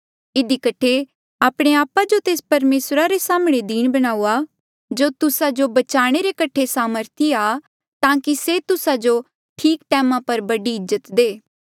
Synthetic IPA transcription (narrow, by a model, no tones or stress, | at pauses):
ɪd̪ikəʈʰe | aːpɽ̃eaːpad͡ʒot̪eːspɐɾmeːsɾaɾesaːmɽ̃ed̪iːɽ̃bɐɽ̃aːua | d͡ʒot̪ʊsad͡ʒobɐt͡ʃaːɽ̃eɾekɐʈʰesaːməɾt̪ʰiaː | t̪ãːkiset̪ʊsad͡ʒo | ʈʰiːkʈɛːmãpɐɾbɐɖiɪzːət̪d̪eː